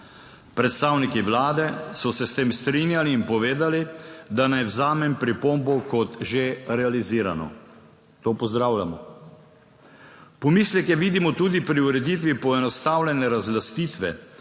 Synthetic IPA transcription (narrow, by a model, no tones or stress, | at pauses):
pɾɛt̪st̪awnikiʋlaːd̪ɛsɔsɛst̪eːmst̪ɾinjaliːnpɔʋeːd̪alid̪anajwzaːmɛmpɾipombɔkɔt̪ʒeɾɛaliziːɾa̰nɔ̰ | t̪opɔzd̪ɾaːwlʲamɔ | pɔmiːslɛkjɛʋiːd̪imɔt̪uːd̪ipɾiuɾɛd̪it̪ʋipɔɛnɔst̪aːwlʲɛnɛɾazlast̪iːt̪ʋɛ